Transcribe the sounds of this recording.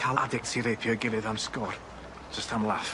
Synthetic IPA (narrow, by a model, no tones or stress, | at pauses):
kʰala̰dɪksʰiɾejpʰjɔɡɪlˠɨðamskɔr | d͡ʒ̥əstʰamlˠaf